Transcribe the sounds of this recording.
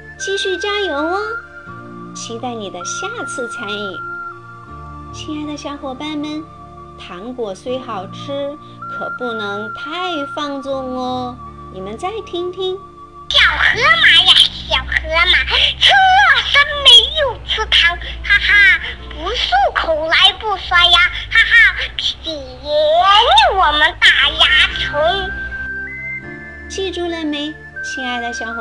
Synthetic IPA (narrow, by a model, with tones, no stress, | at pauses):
t͡ɕi˥˧ɕy˥˩t͡ɕja˥jo˧˥ʊə˧ | t͡ɕʰi˧˥t̪a˥˩ɪni˨˩d̪ə˦ɕja˥˩t͡sʰɹ̩˥˩t͡sʰa˧˥nḭ˨˩˦ | t͡ɕʰi˧˥a˥˩ɪd̪ə˧ɕjɑ˥ʊxwɔ˧˩pa˥˩nmə˧˩n | t̪ʰɑ˧˥ŋkwɔ˨˩swe˥ɪxɑ˨˩ʊʈ͡ʂʰɻ̩˥ | kʰɤ˨˩pu˥˩nɤ˧˥ŋt̪ʰa˥˧ɪfɑ˥˧ŋt͡sʊ˥˩ŋɔ˧˩ | ni˨˩mə˦nt͡sa˥˩ɪt̪ʰi˥ŋt̪ʰi˥ŋ | jɑ˨˩ʊxɤ˧˥ma˧˩ja˧˩ɕjɑ˨˩ʊxɤ˧˥ma˧˩t͡s̩ʰ˥ɔ˥˩sa˥nme˧˥ɪjo˨˩ʊt͡sʰɹ̩˥t̪ʰa˧˥ŋxa˧˥xa˥pu˧˥su˥˩kʰo˨˩la˧˥ɪpu˥˩swa˥a˧ha˧˥xa˥pʰi˨˩jɛ˧˥˧ji˥˩wɔ˨˩mə˧˦nt̪a˨˩ja˧˥t͡sʰo˧˥˦ŋ˧˩ | t͡ɕʰi˥˧ʈ͡ʂu˥˧lə˥˩me˧˥ɪ | t͡ɕʰi˧˥a˥˩ɪd̪ə˧ɕjɑ˧˥ʊx